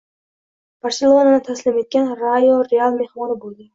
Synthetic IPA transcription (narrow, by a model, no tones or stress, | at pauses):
b̥aɾselˠonanat̪ʰaslɪme̞t̪̚kʲanɾaoɾealˠme̞hmɒnɪbolˠd̪ɪ